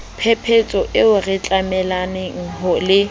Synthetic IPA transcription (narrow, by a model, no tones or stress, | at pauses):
pʰɛpʰet͡sʼɔʔɪʊrɪt͡ɬʼamɛlanɪŋ̩ɦɔlɪ